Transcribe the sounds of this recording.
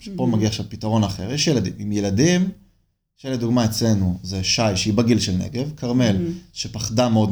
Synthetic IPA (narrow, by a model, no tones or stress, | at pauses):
ʃepomaɡiaχʃavpitaʁo̞naχeʁjeʃjeladḭmimjeladim | ʃled̪uɡmaet͡sle̞nuzeʃajʃeibaɡilʃelnḛɡevkʰaʁme̞lʃepaχdameod